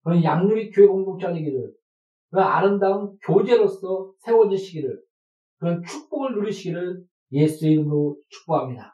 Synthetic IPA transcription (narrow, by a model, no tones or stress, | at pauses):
kɯɾʌnjaŋɲuɾikjoeboŋdoŋt͡ɕ͈ad͡ʑeɡiɾɯɭ | kɯa̰ɾɯndaɯmkjod͡ʑe̞ɾos͈ʌsʰe̞wʌd͡ʑiɕʰiɡiɾɯɭ | kɯɾʌnt͡ɕʰuk̚p͈oŋɯɭnuɾiɕʰiɡiɾɯɭ | je̞sʰueɾot͡ɕʰu̥k̚p͈uɦamɲida